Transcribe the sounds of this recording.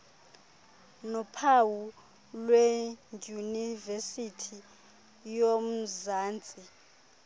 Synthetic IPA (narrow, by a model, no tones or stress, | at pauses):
nɔpʰawu | lweŋʱunivesitʰi | jom̩zaːnt͡sʼi